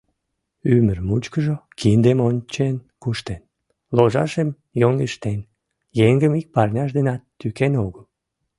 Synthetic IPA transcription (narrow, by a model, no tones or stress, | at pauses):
ymərmut͡ɕkəʒokʰind̪emonʲt͡ɕen | kuʃt̪en | loʒɑ̰ʃem | joŋɡeʃt̪en | jeŋɡəmik̚pɑrnʲɑʃd̪enɑt̪ːykenoɣəl